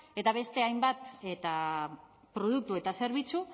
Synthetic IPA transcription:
e̞t̪aβe̞st̪e̞ajmbat̪et̪a | pɾo̞ð̞uk̚t̪ue̞t̪ase̞ɾβ̞it͡su

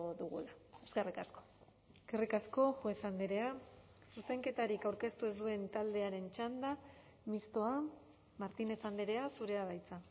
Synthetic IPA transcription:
ðuɣṵlaeskerikasko̞̥ | skerikasko̞xwesand̪eɾe̞a | suse̞ŋke̞t̪aɾikawɾke̞st̪ue̞zd̪ue̞nt̪ald̪e̞aɾe̞nt͡ʃand̪a | mist̪o̞a | maɾt̪ine̞t͡sand̪eɾe̞asuɾe̞aβajt͡sa

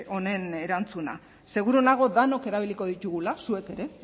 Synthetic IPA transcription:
o̞ne̞neɾant͡suna̰ | se̞ɣ̞uɾuonaɣ̞o̞ðano̞ke̞ɾaβ̞iliko̞ðit̪uɣulasue̞ke̞ɾe̞

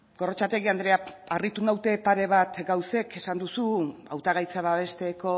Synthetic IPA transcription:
ɡ̥o̞ro̞t͡ʃat̪e̞ɣiand̪ɾeaarit̪unawt̪e̞paɾe̞β̞at̪ɡawse̞ke̞sand̪usuawt̪aɣajt͡saβaβ̞e̞st̪e̞ko̞

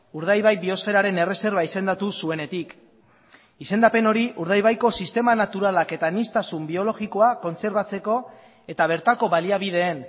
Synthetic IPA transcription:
uɾð̞ajβajbio̞sfe̞ɾaɾe̞ne̞re̞se̞ɾβaise̞nd̪at̪usue̞ne̞t̪ik | ise̞nd̪ape̞no̞ɾiʔuɾð̞ajβajko̞sist̪e̞manat̪uɾalake̞t̪anist̪asumbio̞lo̞ɣiko̞ako̞nt͡se̞ɾβat͡se̞ko̞ | e̞t̪aβ̞e̞ɾt̪ako̞βaliaβið̞e̞ːn

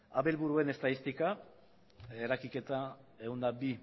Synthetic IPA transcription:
aβelβuɾue̞ne̞st̪aðist̪ika | eɾakike̞t̪ae̞ɣund̪abi

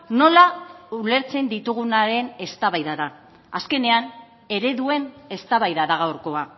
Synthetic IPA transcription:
no̞laule̞ɾt͡se̞nd̪it̪uɣ̞unaɾe̞ne̞st̪aβajðaða | aske̞ne̞an | e̞ɾe̞ðue̞ne̞st̪aβajðaðaɣawɾko̞a

